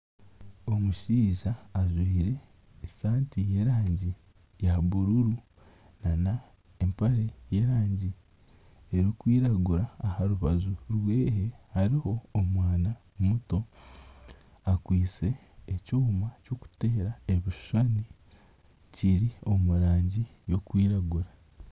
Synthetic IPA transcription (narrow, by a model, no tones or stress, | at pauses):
omuʃiːʒaːzwiːɾe̞ː | saːntije̞ɾaːɲɟi | jaβuɾuɾu | nana | empaɾe̞je̞ɾaːɲɟi | eɾikwiːɾaɡuɾaːhaɾuβazuɾwe̞ːɦehaɾiho̞ːmwaːna | muto̞ | akwiːt͡se̞ː | coːmacoku̥te̞ːɾae̞βiʃʃani | ciɾio̞muɾaːɲɟijo̞kwiːɾaɡuɾa